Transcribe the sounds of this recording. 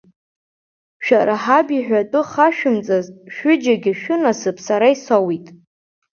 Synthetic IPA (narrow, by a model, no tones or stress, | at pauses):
ʃᶣaɾaħabiħʷᶣatʼʊχaʃᶣʊmt͡sʼazʃᶣʊd͡ʒaɡʲɪʃᶣʊnasɨpʰʼsaɾaisawitʼ